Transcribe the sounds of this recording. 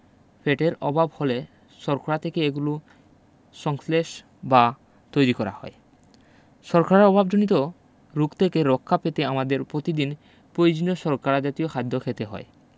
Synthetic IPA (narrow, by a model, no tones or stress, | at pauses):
fʰeʈeɾɔbʱabhole | ʃɔɾkʰoɾat̪ʰekeeɡulu | ʃɔŋsleʃ | ba | t̪ojɾikɔɾa̰hɔe | ʃɔɾkaɾeɔbʱabd͡ʑonit̪o | ɾukt̪ʰekeɾɔkʰːapet̪eamad̪eɾpɾot̪id̪in | pɾojod͡ʑinoʃɔɾkaɾad͡ʑat̪ijokʰad̪ʱːokʰet̪eɦɔ̰e